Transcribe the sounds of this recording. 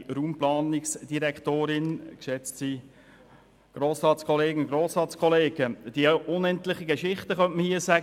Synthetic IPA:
ɾuːmplɑːnɪksd̥iɾɛkχt̪oːɾɪnkʃɛt͡stsi | ɡ̥ɾoːsɾɑːtt͡skʰɔleːɡn̩ɡɾoːsɾɑːtskʰɔleːɡəd̥iəʊnɛntlɪχəɡeʃɪχtəχœntməhiːəsæɡ

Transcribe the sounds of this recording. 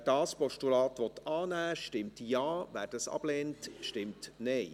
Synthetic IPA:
d̥ɑːspɔʃtulɑːt̪ʋɔt̪ɑːnæːʃtɪmtjɑːʋæ̰ːɾdəsɑ̰b̥leːntʃtɪmtnɛɪ

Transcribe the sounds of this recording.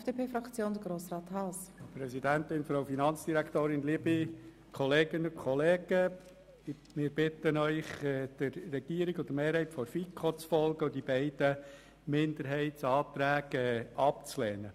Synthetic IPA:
ɛfd̥eːpʰeːfɾɑkt͡sjoːnd̪əɡɾoːsrɑːt̪hɑspɾɛsidænt̪ɪnfɾowfinɑnt͡sd̥iɾækt̪oːɾɪnliəbi | kʰɔleːɡənəkʰɔleːɡ̥ə | mɪːɾb̥ɪt̪ənœʏχɛd̪̥əɾːɛɡ̥iːəɾiɡʊd̥̪əmeːɾhɛɪtfɔɾfikʰot͡sfɔlɡəʊdib̥ɛɪd̥ə | mɪnd̪əɾɦɛɪtsɑːt̪ɾæːɡ̥ɛɑpt͡slɛːnə

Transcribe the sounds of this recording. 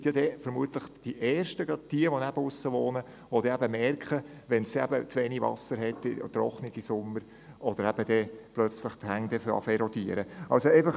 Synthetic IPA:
tjɑd̥̪ɛfəɾmuət̪ləχd̥iʔɛːrʃtəɡɾɑd̥̚d̥iəʋɔnæb̥əʊsːəʋoːnə | ʋod̥̪ɛæbəmɛrkχəʋɛnsæ̰bət͡sʋeːnivɑ̰səɾɦɛtːɪ̰t̪ɾɔχnɪɡ̥isʊmːəɾ | ɔd̥̪əɾæb̥əd̥̪ɛplœt͡sləχt̪hæŋd̥̪ɛfɑ̰fɛɾɔd̪iəɾəʔɑlsoɛɪfɑχ

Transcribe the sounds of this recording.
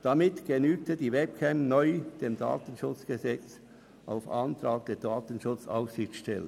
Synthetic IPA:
d̥ɑmɪtɡ̥enyːk̚tədiːvɛp̚kʰɛmnɔʏd̥eːmda̰ːtən̩ʃʊt͡sɡ̥əzɛt͡s | ʔa̰ʊfɑ̰ntɾɑːɡ̥̚d̥eːdaːtən̩ʃʊt͡sa̰ʊfsɪçtʃtɛlə

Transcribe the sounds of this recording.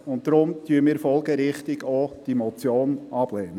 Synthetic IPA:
ʊnt̚d̥ɾʊmtyːmiːɾfɔlɡəɾɪχtɪɡod̥imɔt͡sjoːnɑb̥lɛːnə

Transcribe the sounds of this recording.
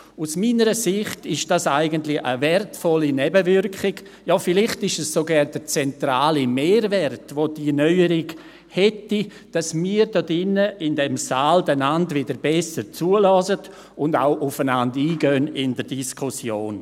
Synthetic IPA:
usmiːnəɾəsɪχtɪʃd̥asaɪɡəntlɪə̰vɛrtfɔlinɛbəvʏɾkɪɡ̥ | jɔfɪlɪχtɪʃɛssoɡɛːɾd̥ət͡sɛntɾaːlimeːɾvɛrtvod̥inœʏəɾɪɡ | hɛti | d̥asmiːəɾdɔdɪnːəɪndɛmsaːldɛnandvɪdəɾbɛsəɾt͡suːəlɔːsət | ʊnda̰ʊʔʊfənandiːɡœnɪndəɾdiskʰʊsjoːn

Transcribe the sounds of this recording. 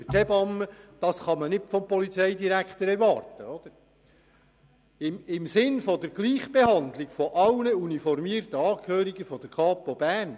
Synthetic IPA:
tʰɛbɑmːəd̥ɑsχɑmənɪtfɔmpɔlit͡sɛɪdiɾækt̪əɾɛɾʋɑːrtəɔd̥̪əɾ | ɪmɪmsɪnfɔd̥̪əɾɡ̥liːχb̥ehɑnd̪lɪɡfɔʔɑwnəunifɔɾmiːɾtəɑːkhøːɾiɡəfɔd̥̪əɾkʰɑːpobæːn

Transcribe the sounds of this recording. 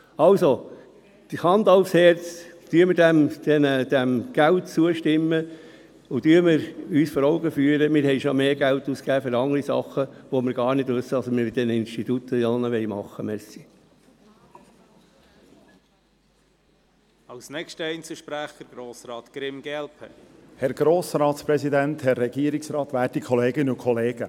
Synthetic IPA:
ɑlso | d̥̪hɑnd̪ɑʊfshɛɾt͡sd̥yəməɾdæmd̥ɛnəd̥̪æmɡ̥æltt͡suəʃtɪmːə | ʊd̥yːəɾməɾyːsfɔɾɔʊɡəfyːəɾəmɪɾhɛɪʃomeːɡ̥ælt̪uːskæːfʏɾɑŋəɾisɑ̰χəʋomɪɾɡ̥ɑːɾnɪdʋʉsːədɑsmɪɾd̥̪ɛnɪnstit̪ut̪ʰːəjɑːnəʋɛɪmɑχːəmɛsi | ɑwsnɛkʃtəɛɪnt͡sl̩ʃpɾæχəɾɡ̥ɾoːsɾɑːt̪ɡ̥ɾɪmɡɛlpʰə̰hɛɾɡ̥ɾoːsɾɑːtspɾɛsid̪ænt̪hɛrːɛɡiːəɾiksrɑːt̪ʋæːtikʰɔleːɡənəukʰɔleːɡ̥ə

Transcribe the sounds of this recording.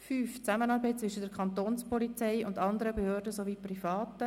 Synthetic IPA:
fyːft͡samənɑːɾbɛɪt̚t͡sʋɪʃədɛɾkʰɑnt̪oːnspɔlit͡sɛɪʊndɑnd̪əɾəbehøːɾdəsoʋiːprifɑːt̪ə

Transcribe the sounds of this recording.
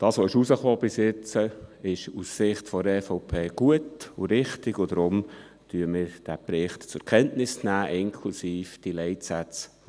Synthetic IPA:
d̥ɑːsʋoɪʃusəχoːb̥ɪsjɪt͡səɪʃussɪχtfɔɾɛːfoʊpʰeːɡ̥uətʊɾɪχtɪɡ̥ʊd̥̪ɾʊm | tyəmɪːɾd̥æpɾɪχtt͡sʊkʰɛntnɪsnæːʔɪŋkʰlusiːfd̥ilɛɪtsæt͡s

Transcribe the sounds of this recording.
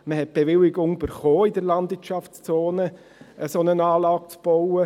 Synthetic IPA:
məhɛt̚b̥evɪlɪɡʊŋyb̥əɾχoːɪdəɾlɑndvɪtʃɑft͡st͡soːnə | ʔəsonənɑːlɑːk̚t͡sb̥owə

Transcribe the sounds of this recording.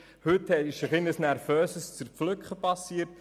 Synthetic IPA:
hɵthɛtɪʃəχɪnəsnæɾfœːsəst͡sərflʏkχəpɑsiːəɾt

